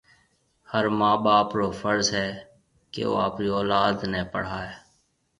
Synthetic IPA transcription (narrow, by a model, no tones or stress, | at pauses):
həɾmaːbaːpɾoːfʰəɾzɦɛː | kḛːo̰ːa̰ːpɾiːɔːlaːd̪nɛːpə̰ɽ̤aːɦɛː